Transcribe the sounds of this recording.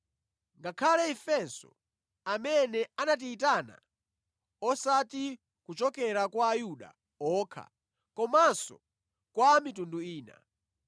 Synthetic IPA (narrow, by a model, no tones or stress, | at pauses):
ŋɡakʰalɛɛfɛsɔ̰ | amɛnɛanat̬iːt̬ana̰ | ɔsati | kut͡ʃɔkɛɾakwaːjuɗa̰ | ɔːkʰa̰ | kɔmasɔ̰ | kwamitunduiːna̰